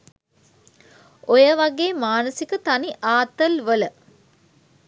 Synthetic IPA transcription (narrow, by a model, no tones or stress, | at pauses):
ojəʋaɡeːmaːnəsikət̪aniʔaːt̪əlʋələ